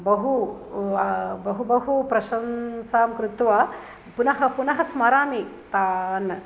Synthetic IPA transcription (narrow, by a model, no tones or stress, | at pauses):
bɐɦu | bɐɦubɐɦupɾɐʃɐnsaːmkɾut̪ʋa | punɐɦɐpunɐɦɐsmɐɾaːmit̪aːn